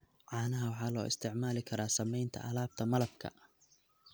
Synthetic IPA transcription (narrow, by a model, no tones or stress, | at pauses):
ʕɑːnɐɦɐwɑħɑːlɔ̰ːʔɪst̪ʰɪʕmaːlɪkʰɐɾaːsɐmɛjnt̪ʰɐ̰ʔɐlaːb̚t̪ʰɐmɐlɐb̚kʰɐ̰